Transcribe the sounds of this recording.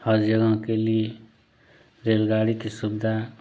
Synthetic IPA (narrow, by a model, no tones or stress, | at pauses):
hʌd͡ʒjʌɡãkeli | ɾelɡaɽikisubd̪ʱa